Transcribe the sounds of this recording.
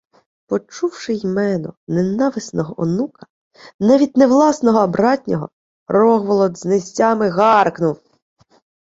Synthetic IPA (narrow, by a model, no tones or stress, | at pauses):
pɔt͡ʃuwʃɪjmɛnɔnenɑʋɪsnɔɦɔʔɔnukɐ̥ | nɑʋʲid̚ʲnewlˠɑsnɔɦɔɐbɾɑtʲnʲɔɦɔ̰ | rɔɦʋɔlˠɔd̪znesʲɑmɪɣɑrknʊw